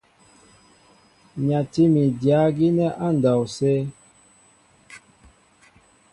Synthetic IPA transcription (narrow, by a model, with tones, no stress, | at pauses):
ɲa˨ti˦mi˨dja˨˦ɡi˦nɛ˦ʔa˦n̩˨da˨wsɛː˦